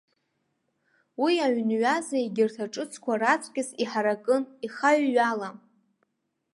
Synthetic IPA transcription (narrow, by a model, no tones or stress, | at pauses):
wiaʕnɥazaiɡʲɪrtʰaʈ͡ʂʼɨt͡sʰkʷʰarat͡sʷʼkʲʼɪsiħaɾakʼɨniχaɥːala